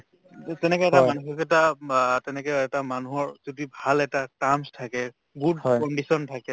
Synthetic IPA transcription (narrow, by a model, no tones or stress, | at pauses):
tɛnɛkɔɛɛtamanuxɔkɛtatɛnɛkɔɛtamanuɦɔɹzudibʱalɛtatamstʰakɛ | ɡudkɔnɖisɔntʰakɛ